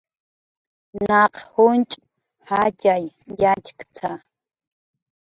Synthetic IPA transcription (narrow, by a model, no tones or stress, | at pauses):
nɑqhʊnt͡ʃʼ | hacʼajjackt̪ʰa